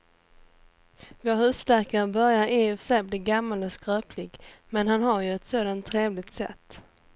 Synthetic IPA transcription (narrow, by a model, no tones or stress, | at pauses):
voːɾhʉ̟ːslæːkaɾəbœɾjaɾeɛfsɛjbliːɡamːalɔskɾøːpʰlɪɡmɛnɦanɦaɾjɵɛt̪soːd̪ant̪ʰːɾeːvlɪɡ̚t̪sɛ̰t̪ː